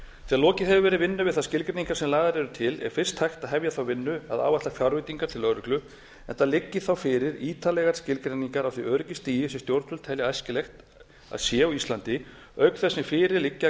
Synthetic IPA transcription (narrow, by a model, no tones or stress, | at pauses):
θɛaðlɔːcɪhɛvʏvɛɾɪvɪnːʏvɪðθaðscɪlkɾɛniŋkaɾsɛmlaːɣðaɾɛɾʏt̪ʰɪlɛ̰ɾ̥fɪr̥st̪hajxt̪aðɦɛvjaθawvɪnːʏa̰ða̰ːwvaht̪afjaɾvɪt̪iŋkaɾt̪ʰɪlœɾʏklʏ | ɛnt̪alɪcːɪθawfɪːɾɪɾiːt̪alɛɣaɾ̥scɪlkɾɛniŋkaɾawθiʔœːɾʏcɪst̪iːjɪsɛmst̪jowɾt̪ʏlt̪ʰɛːljaajscɪlɛxt̪ | a̰ðsjɛawist̪lant̪ɪ | œɥk̪θɛsːɪfɪːɾɪɾlɪcːa